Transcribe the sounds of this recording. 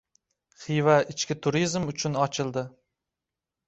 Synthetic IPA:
χijvaɪt͡ʃkʲɪt̪ʰʊɾizmʊt͡ʃʰʊnɒt͡ʃʰɪlˠd̪ɪ

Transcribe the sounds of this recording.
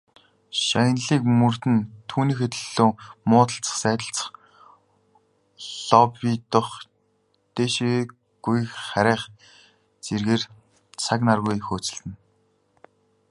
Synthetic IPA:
ʃaj̆nɮiːkmɵr̥t̪ɘ̆nt̪ʰuːniːxɵt̪ɵ̆ɮoːmʊːt̪ə̆ɬt͡sə̥̆χsæːt̪ə̆ɬt͡sə̥̆χ | ɮ̥ɔpit̪ʊχ | t̪eʃe | ɡ̥ujχæɾʲæːχ | t͡serɣeːr | t͡sʰaknarɣujxoːt͡sɪ̆ɬt̪ɘ̆n

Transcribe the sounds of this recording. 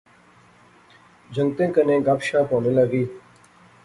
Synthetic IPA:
d͡ʒʱəŋt̪ẽːkənẽːɡapʃãːpoːnẽːləɡiː

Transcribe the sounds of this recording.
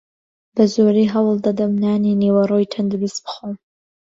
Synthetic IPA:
b̥azoɾiɦawld̪ad̪amnaːninewaɾojtʰɐnd̪uɾisbχom

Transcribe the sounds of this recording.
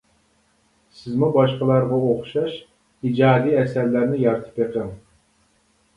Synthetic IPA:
sɪzmubɑʃqəlˠɑɾʁɑoχʃɑʃ | id͡ʒɑːd̪iːɛsæɾlæɾnɪjɑɾt̪ʰɨ̥peqʰəŋ

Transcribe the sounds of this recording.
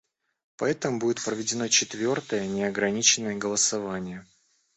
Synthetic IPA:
pɐɛt̪əmʊbudʲɪt̪pɾəvʲɪdʲɪno̞t͡ɕɪt̪vʲo̞rt̪əjənʲɪɐɡɾɐnʲit͡ɕɪnːəjəɡəlˠəsɐvanʲɪjə

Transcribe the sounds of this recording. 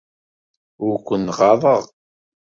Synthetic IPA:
ʊɾkʷːənʁɑðˤəʁ

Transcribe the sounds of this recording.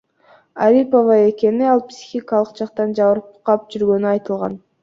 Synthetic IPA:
aɾʲipovɑe̞ke̞niɑlˠpsʲi̥xʲikalˠə̥qd͡ʒɑqt̪ɑnd͡ʒɑβɯɾpqɑp̚d͡ʒyɾɡø̞nyɑjt̪ɯlˠʁɑ̰n

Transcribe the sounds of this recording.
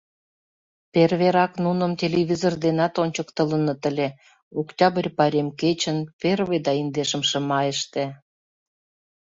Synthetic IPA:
perβeɾɑknunə̆mtʲelʲeβʲizord̪enɑt̪onʲt͡ɕəkt̪ələ̆nɤ̆t̪əlʲe | okt̪ʲɑbərʲpɑɾʲemket͡ɕə̆nperβed̪ɑind̪eʃə̆mʃə̆mɑjəʃt̪ĕ

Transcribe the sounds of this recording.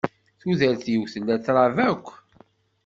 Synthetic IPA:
θuðəɾθjəwθəlːæt͡sːɾˤɑvækʷː

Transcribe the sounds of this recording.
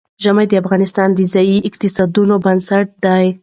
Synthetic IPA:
ʒamajd̪əafɣɑnɪst̪ɑnd̪əzɑjiʔɪqt̪ɪsɑd̪unobansaʈ̚d̪aj

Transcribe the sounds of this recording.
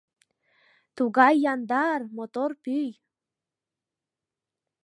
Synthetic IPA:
t̪uɣɑjːɑnd̪ɑrmot̪orpyj

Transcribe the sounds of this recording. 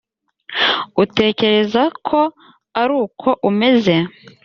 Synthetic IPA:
ute̞ːce̞ɾe̞zakʰo̞ | aɾuːkʰo̞ʔume̞ze̞

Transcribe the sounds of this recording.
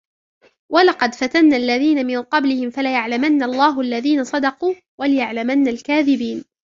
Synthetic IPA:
walɑqɑd̪fat̪anːaːʔalːaðiːnamɪnqɑblɪhɪmfalajaʕlamanːaɑlˤːɑːɦʊʔalːaðiːnasˤɑd̪ɑquː | walɪjaʕlamanːalkaːðɪbiːn

